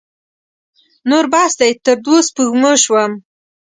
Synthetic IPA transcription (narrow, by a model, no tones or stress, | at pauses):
noɾbɑsd̪ajt̪əɾd̪ospəɣməʃwəm